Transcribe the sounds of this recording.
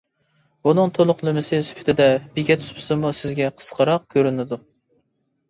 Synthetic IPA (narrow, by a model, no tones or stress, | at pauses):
bunɨŋt̪ʰolˠʊqlˠɨmɨsɨsy̥pʰɪ̥t̪ʰɪd̪ɛbiɡʲɛt̪ʰy̥spʰɪ̥sɨmusɪzɡʲɛqʰə̥sqʰəɾɑq̚kʲʰøɾynɪd̪u